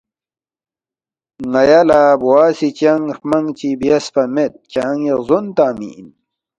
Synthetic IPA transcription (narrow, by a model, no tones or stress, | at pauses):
ŋɐjalabuwaːsit͡ɕɐŋxmɐŋt͡ɕibijɐspɐmet̪̚t͡ɕaːŋezont̪aːmḭn